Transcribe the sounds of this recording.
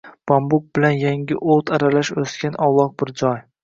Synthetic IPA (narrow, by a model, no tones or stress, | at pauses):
b̥ɒmbʊk̚bɪlanjaŋɡʲɪʔot̪ʰaɾalaʃɵskʲanʔɒwlˠɒq̚bɪɾd͡ʒɒj